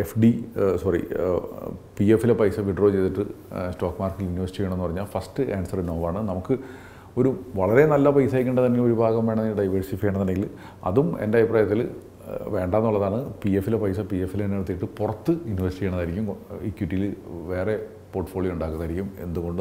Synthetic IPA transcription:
efɖisɐrḭ | piefːilepɐjsɐʋiɖro̞ːt͡ɕe̞jt̪iʈːɨsto̞ːkːmaːrkiliniʋɐrsiʈiejɐɳmenːpɐrɐɲːaːlfɐsʈɨaːnsɐrnoːʋaːɳɨnɐmukːɨ | o̞ɾuʋɐɭɐɾe̞nɐlːɐpɐjsaːjk̬ʲːuɳɖɐt̪̬ɐnːeoɾubʱaːɣɐmʋe̞ːɳɐniɖɐjʋɐɻsifikʲːeːɳɐnɐnːeŋɡil | ɐ̰ðumḛndeɐjpraːjɐt̪ːil | ʋe̞ːɳɖaːenːuɭːɐðaːɳɨpiefːilepɐjsɐpiefːilnːeɽɨt̪̬ːijiʈːɨpurɐt̪ːɨiniʋɐrsiʈieːɳɐnːaːɾikʲːumikːjuʈːijilʋe̞ːre̞ | po̞ːrʈːɨ̥fo̞ːɭijouɳɖaːkːunðaːɾikʲːume̞̰nd̪uɣo̞ɳɖɨ

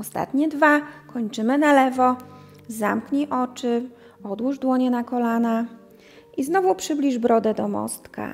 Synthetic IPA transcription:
ɔst̪a̰t̪ɲɛd̪vakɔɲt͡ʂɘmɘnalɛvɔ | zamkɲiʔɔt͡ʂɘ | ɔd̪wuʐd̪wɔɲɛnakɔlana | iznɔvupʂɘblʲiʐbɾɔd̪ɛd̪ɔmɔ̰st̪ka̰

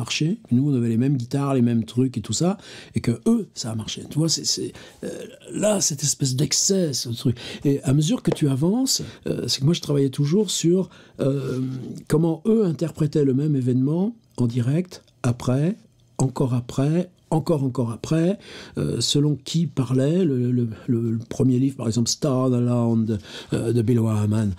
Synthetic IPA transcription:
aʁʃemnuɔ̃navɛlemɛmɡʲit̪aʁlemɛmt̪χyket̪usaekəøsaːmaʁʃet̪yvwasɛsɛ̰ | lasɛt̪ɛspɛs̬d̪ɛksɛsət̪χykeaməzyʁkət̪ʰyavɑ̃sø̰sɛ̥kəmwaʒət̪χavajɛt̪uʒuʁsyʁø | kɔmɑ̃øɛ̃t̪ɛʁpχɛt̪ɛləmɛmevɛnmɑ̃ | ɑ̃d̪iʁɛkt̪ | apχɛ | ɑ̃kɔʁapχɛ | ɑ̃kɔʁɑ̃kɔʁapχɛø̰səlɔ̃kʲʰipaʁlɛlələləəpχəmjelivʁpaʁɛɡzɑ̃plst̪anlɔ̃d̪d̪əd̪əbilwaman

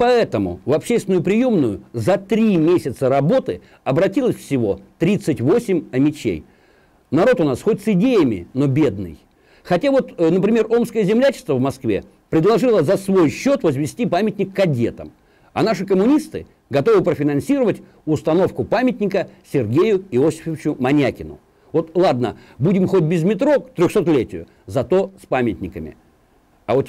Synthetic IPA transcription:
pɐɛt̪əmʊ̰vɐpɕːesʲt̪ʲɪnʊjʊpɾʲɪjo̞mnʊjʊ̰zɐt̪ɾʲimʲesʲɪt̪səɾɐbo̞t̪ɨ | ɐbɾɐtʲilˠəsʲfsʲɪvo̞̰t̪ɾʲit̪sɨtʲvo̞sʲɪmʲɐmʲɪt͡ɕḛj | nɐɾo̞t̪ʊnasxotʲsɪdʲejəmʲɪ̰no̞bʲe̞d̪nɨ̰j | xɐtʲavo̞t̪nəpɾʲɪmʲe̞ro̞mskəjəzʲɪmlʲæt͡ɕɪ̥st̪vəvmɐskvʲḛ | pɾʲɪd̪lˠɐʐɨlˠəzɐsvo̞jɕːo̞t̪vəzvʲɪsʲtʲipamʲɪtʲnʲɪkːɐdʲe̞̰t̪əm | ɐ̰naʂɨkəmʊnʲist̪ɨ | ɡɐt̪o̞vɨpɾəfʲɪnɐnsʲiɾəvətʲ | ʊst̪ɐno̞fkʊpamʲɪtʲnʲɪkəsʲɪrɡʲejʊɪosʲɪ̥fɪvʲɪt͡ɕʊmɐnʲakʲɪnʊ̰ | vo̞t̪lˠad̪̚nə̰budʲɪmxo̞t̚ʲbʲɪzmʲɪt̪ɾo̞kt̪ɾʲoxso̞t̪lʲetʲɪjʊ̰ | zɐt̪o̞spamʲɪt̪ʲnʲɪkəmʲɪ̰ | ɐvo̞t̪

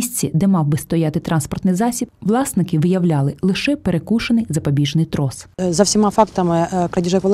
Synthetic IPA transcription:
isʲt͡sʲːid̪ɛmɑwbɪst̪ɔjɑt̪ɪt̪ɾʔɑnspɔrt̪nɪjzɑsʲib̚ʋlˠɑsnɪkɪʋɪjɐwlʲɑlˠɪlˠɪʃɛpeɾekuʃɐnɪjzɐpɐbʲiʒnɪjt̪ɾɔszɐwsʲɪmafɑkt̪ɐmɪkɾɐd̪ʲiʒɛkʋɐlˠ

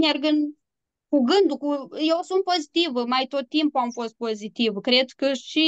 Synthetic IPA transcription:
mʲerɡɨn | kuɡɨnd̪ukujewsunt̪̚pozit̪ivəmajt̪ot̪̚t̪ːimpuamfost̪̚pozit̪ivkɾed̪kɨʃt͡ʃi

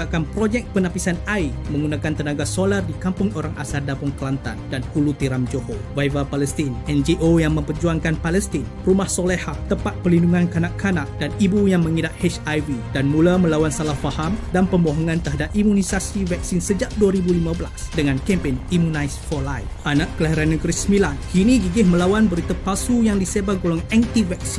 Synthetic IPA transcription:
akanpɾod͡ʒɛk̚pənãpisanaimə̃ŋɡunãkant̪ənaɡasolardikampʊŋoɾaŋʔasardapʊŋkəlant̪a̰ndanhulut̪iɾamd͡ʒohovajvapalɛst̪inɛnd͡ʒiʔojaŋmə̃mpərd͡ʒuaŋkanpalɛst̪in | rumahsolɛhat̪əpat̪̚pəlinduŋãnkanaʔkːanaʔd̥anibujaŋmə̃ŋidaʔhɛt͡ʃajvidanmulamə̃lawansalahfahamdanpəmoɦɔŋãnt̪əɦadap̚imunisasivɛk̚sinsəd͡ʒaʔduaɾibulimãbəlasdəŋãnkɛmpɛnimunajsfɔlajfʔanaʔkəlaɦiɾanːəɡəɾisəmilankinĩɡiɡɪhməlawanbəɾit̪apasujaŋdisebaɡolɔŋɛnt̪ivɛk̚si

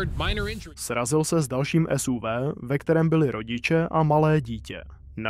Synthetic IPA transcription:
d̚mãɪ̃nə˞ɪ̃nd͡ʒsɾazɪlsɛzdalʃiːmʔɛsuvɛːvɛkt̪ɛɾɛːmbɪlɪɾʔo̞ɟɪt͡ʃɛʔamalɛːɟiːcɛ̰ | na

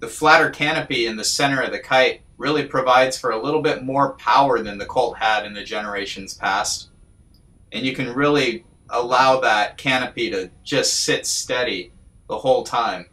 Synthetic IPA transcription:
ðɨflæɾə˞kʰæñɨpiɨ̃nðɨsɛ̃ɾ̃ə˞ʌvðɨkʰaɪt̚ | ɹɪlˠipʰɹ̥ɨvaɪdz̥fə˞əlɪɾl̩ˠbɪt̚mɔɹpʰaʊə˞ðɨ̃nðɨkʰoʊlˠt̚hæɾɨ̃nðɨd͡ʒɛnə˞eɪʃɨ̃n̩z̥pʰæst | ʔɨ̃njɨkɨ̃nɹɪlˠi | ʔəlaʊðət̚kʰæñɨpiɾɨd͡ʒʌstsɪtstɛɾi | ðəhoʊlˠtʰãɪ̃m

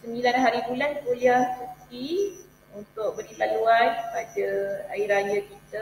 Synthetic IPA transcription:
səmilanɦaɾibulankuliahsuti | unt̪ʊk̚bəɾit̪aluankəpadəaiɾajakit̪a

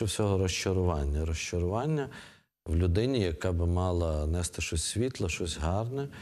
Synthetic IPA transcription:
ɛwsʲɔɦɔɾɔʃt͡ʃɔɾʊʋɑnʲːɐɾɔʃt͡ʃɔɾʊʋɑnʲːɐ | wlʲʊd̪ɪnʲijɐkɑbɪmɑlˠɐnɛst̪ɪʃɔsʲsʲʋʲit̪lˠɐʃɔsʲɦɑrnɛ

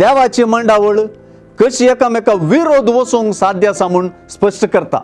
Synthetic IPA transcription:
d̪jaʋat͡ɕiməɳɖaʋəɭ | kəɕiekamekaʋiɾod̪ʋəsoŋɡsad̪ʱjasamuːɳspəʂʈəkəɾt̪a̰

